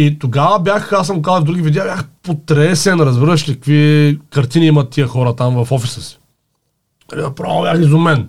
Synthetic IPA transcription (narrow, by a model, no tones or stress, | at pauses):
it̪oɡavəbʲjaxasɐmɡokazɐvd̪uɡʲivid̪jabʲjaxpot̪ɾɛsɛnɾɐzbiɾəʃkɐkvikɐɾt̪iniimɐt̪ːiəxɔɾət̪amvɐfɔfisəsi̥ | ɐlinɐpɾabʲjaxizʊmɛn